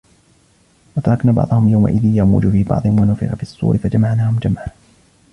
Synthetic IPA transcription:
wɑt̪ɑɾˤɑknaːbɑ̰ʕd̪ˤʊhʊmjawma̰ʔɪðɪnjamṵːd͡ʒʊfiːbɑ̰ʕd̪ˤɪnwanʊfɪ̰qafiɑsˤːṵːɾɪfad͡ʒamaʕnaːhʊmd͡ʒamʕa

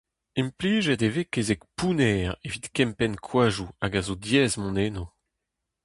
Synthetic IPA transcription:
impliːʒɛt̪evekezɛk̚punɛːʁevit̪kɛmpɛnkʰwaːʒuaɡazodjɛːzmɔ̃neːno

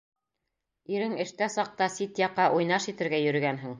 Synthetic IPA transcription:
iɾɘŋɘ̆ʃt̪æsɑq̚t̪ɑsit̪jɑqːɑʔujnɑʃit̪ɘ̆ɾɡæjɵ̆ɾɘ̆ɡænɦɘŋ

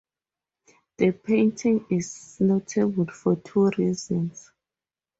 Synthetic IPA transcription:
ðəpʰẽntʰĩŋiznotʰebulfɔtʰuɹizɔ̃ns

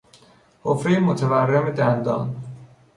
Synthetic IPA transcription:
hofɾejmot̪ʰæværːemed̪ænd̪ɒ̰ːn

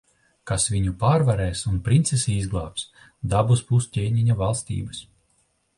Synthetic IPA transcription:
kasvʲiɲupaːɾvaɾɛːsunpɾint̪sesiizɡlˠaːps | d̪abuspust̪ʲeːɲʲiɲavalˠst̪ḭːbɨs

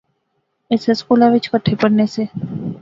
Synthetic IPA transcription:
eːseskulaʋɪt͡ʃkəʈʰepəɽneseː

